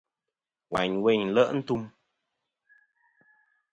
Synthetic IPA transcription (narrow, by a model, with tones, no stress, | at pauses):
wa̰˨ɲwe˧ɲ˨lə˦ʔn̩˦tu˧m